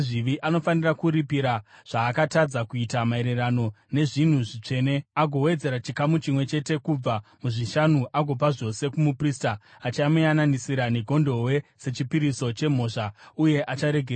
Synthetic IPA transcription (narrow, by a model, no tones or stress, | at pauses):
ʐiʋiʔano̞fanirakuɾipiɾaʐ̥aːkatad͡zakuitamae̞ɾerano̞ | ne̞ʐin̤uʐit͡ʂe̞ːne̞aɡʱo̞we̞d͡ze̞ɾat͡ʃikamut͡ʃimwe̞t͡ʃe̞te̞kub͡vamuʐiʃanuʔaɡʱo̞paʐo̞se̞kumupristaː | t͡ʃamujananisiɾaneɡʱo̞ndo̞we̞se̞t͡ʃipiɾiso̞t͡ʃe̞m̤o̞ːʂauje̞ʔat͡ʃaɾe̞ɡʱe